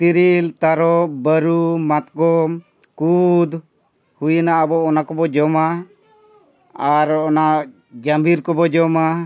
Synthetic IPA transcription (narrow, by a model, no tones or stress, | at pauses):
t̪iɾilt̪aɾɔbəɾumat̪ɡɔm | kud̪ | hujnaʔabɔːnakɔbɔd͡ʒɔma | aɾɔnaʔ | d͡ʒambiɾkɔbɔd͡ʒɔma